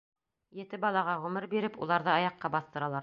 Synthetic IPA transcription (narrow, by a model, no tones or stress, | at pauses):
jɘ̆t̪ɘbɑlˠɑʁɑʁɵ̆mɘɾbiɾɘpulˠɑɾðɤɑjɑqːɑbɑθt̪ɤ̆ɾɑlˠɑɾ